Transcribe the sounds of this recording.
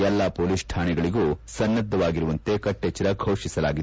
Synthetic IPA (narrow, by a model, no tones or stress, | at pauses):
ɛlːɐpoːlisʈʰaːɳɛɡɐɭiɡuːsɐnːɐd̪ʱːɐʋaːɡiɾuʋɐnt̪e̞kɐʈːet͡ʃːɐɾɐɡʰʱɐwʂisɐlaːɡit̪ː